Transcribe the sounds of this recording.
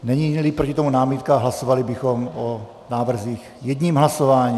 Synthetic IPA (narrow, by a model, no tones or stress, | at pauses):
nɛɲiːɲlipɾocɪt̪omunaːmit̪kaɦlaso̞valɪbɪxo̞mo | naːvr̩ziːx | jɛd̪ɲiːmɦlaso̞vaːɲiː